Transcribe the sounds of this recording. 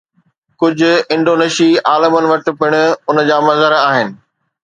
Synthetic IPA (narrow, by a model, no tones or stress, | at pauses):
kʊd͡ʑʱʊ̆ɪ̃ɳɖoːneːʃiaːləmənɪ̆ʋɐʈɪ̆pɪɽ̃ʊ̆ʊnə̆d͡ʑaːmɐzəɾaːɦɪnɪ̆